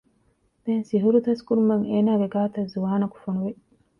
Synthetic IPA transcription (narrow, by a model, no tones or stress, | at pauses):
d̪̥eːnsiɦuɾut̪ɐskuɾumɐŋeːnaːɡeɡaːt̪ɐzuʋaːnɐku̥fonuʋe